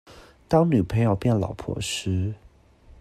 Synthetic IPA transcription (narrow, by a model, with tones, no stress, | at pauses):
t̪ɑ˥ŋny˨˩pʰe˥ɪjɑ˥˧ʊpjɛ˥˩nlɑ̰˨˩ʊpʰwɔ̰˥˩ʂ̩˥